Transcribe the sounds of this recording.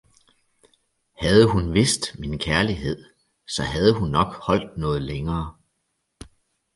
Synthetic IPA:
hæð̞ˠəɦunʋe̝sd̥minkʰæɐliɦe̝ð̞̰ˠ | sɒ̽ɦæð̞ˠəɦunːɒ̽ɡ̥hɒ̽l̰d̥̚nɔ̽ːð̞̩ˠleŋɐː

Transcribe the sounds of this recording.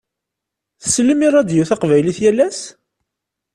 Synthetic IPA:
θə̥slːəmiɾˤɑd̪jiwθɑqvæjliθjælːæs

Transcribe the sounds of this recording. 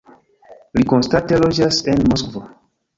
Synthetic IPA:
likonstate̞lod͡ʒasenmoskvo

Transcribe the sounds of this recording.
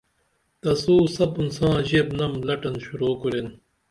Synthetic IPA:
t̪ɐsuːsɐbunsãːʑebnɐmlɐʈɐnɕuɾoːkuɾen

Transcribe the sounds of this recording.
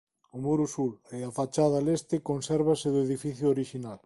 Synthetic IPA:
ʊmuɾʊsulɪafat͡ʃaðalest̪ɪkonsɛɾβ̞asɪðʊeðifiθjʊoɾiʃinal

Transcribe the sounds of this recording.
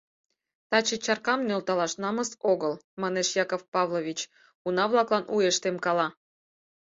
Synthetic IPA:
t̪ɑt͡ɕet͡ɕɑrkɑmnølt̪ɑlɑʃnɑməsoɣəlmɑneʃjɑkofpɑvlˠoβʲit͡ɕ | unɑβlˠɑklˠɑnʔujeʃt̪emkɑlɑ

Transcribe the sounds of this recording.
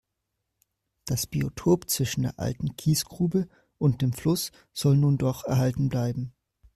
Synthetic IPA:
d̥asb̥iotʰoːpt͡sv̥ɪʃn̩deːɐʔa̰ltn̩kʰiːsɡ̥ʁuːbə | ʔʊnt̚d̥eːmflʊs | z̥ɔlnuːndɔχɛɐɦaltn̩blaɪbm̩

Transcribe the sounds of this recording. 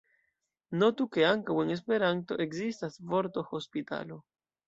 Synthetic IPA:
not̪ukeaŋkaweŋes̬peɾant̪oʔekzist̪asvoɾt̪oxospit̪a̰lo

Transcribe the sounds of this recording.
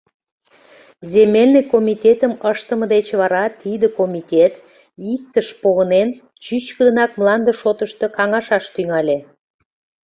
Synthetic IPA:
zemelʲnəkomit̪ʲet̪əməʃt̪əməd̪et͡ɕβɑɾɑt̪id̪əkomʲit̪ʲet̪ | ik̚t̪əʃpoɣənen | t͡ɕyt͡ɕkəd̪ə̆nɑk̚mlɑnd̪əʃot̪əʃt̪ə̆kɑŋɑʃɑʃt̪yŋɑlʲe

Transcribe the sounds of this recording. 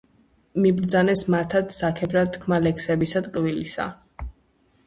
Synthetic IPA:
mibɾd̪zanɛsmat̪ʰat̪sakʰɛbɾad̪̚t̪kʰmalɛksɛbisat̪ʼkʼvilisa̰

